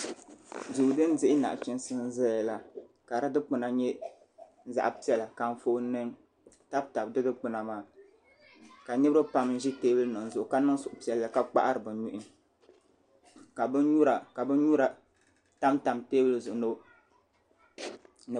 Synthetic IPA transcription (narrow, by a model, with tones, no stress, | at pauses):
zu˨dɨ˦n˦dɪ˦ʔɪ˦na̰˨ʔt͡ʃi˦nsɨ˦n˦zɛ˦ja˨la˨ | ka˨ɾɨ˦dɨ˦k͡pɨ˨na˨ɲɛ˦ | za̰˨ʔpi˦ɛ˦la˨ka˨ɱ˦fo˦nɨ˦n | ta˦bta˨bdɨ˦dɨ˦k͡pʊ˨na˨maː˦˨ | ka˨ɲi˦bɾɨ˦pa˦mn˦ʒi˦teː˦bɨ˦lɨ˦nɨ˨n˨zʊ˨ʔʊ˨ka˦nɨ˦sʊ˨ʔʊ˨pi˦ɛ˦lːa˨ka˦k͡pa̰˦ʔa˦ɾɨ˨bɨ˨ɲu˦ʔɪ˦n˦ | ka˨bɨ˦ɲu˦ɾa˨ka˨bɨ˦n˦ɲu˦ɾa˨ | ta˦mta˨mteː˦bɨ˦lɨ˦zʊ˨ʔno˦ | nɨ˨